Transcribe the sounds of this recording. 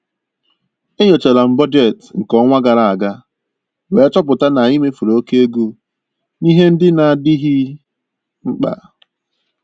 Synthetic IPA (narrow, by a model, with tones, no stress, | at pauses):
e˦ɲo˨t͡ʃe˨la˨m̩˨bɔ˦d͡ʒe˨tŋ̩˨kɔ˦ŋʷa˦ɡa˨ɾa˨a˨ɡa˦ | we˨˦t͡ʃɔ˦p̬ʊ˨ta˦na˨i˦me˦fu˨ɾo˨˦ke˦e˦ɡu˦ | ni˦ɦe˦n̩˦dɪ˦na˨a˨dɪ˦ɦi˦ | ŋ͡m̩˦k͡pa̰˨